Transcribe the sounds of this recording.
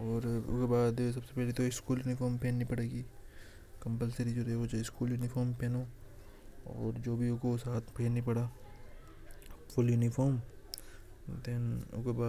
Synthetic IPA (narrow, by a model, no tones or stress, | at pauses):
ɔːɾʊ̰kebaːd̪s̬ɐbsepɛɦlet̪oɪskuːljʊːnɪfʰɔːɾmpeːnːĩpɐɽeːɡiː | kɐ̃mpəlseɾid͡ʒoːɾeod͡ʒeɪskuːljuːnɪfʰɔːɾmpɛːnoː | ɔ̰ːɾd͡ʒoːbʱiʊkosaːt̪ʰpʰeːnːipɐɽaː | fʊljuːnifʰɔːɾm | d̪ɛnʊ̰kebaː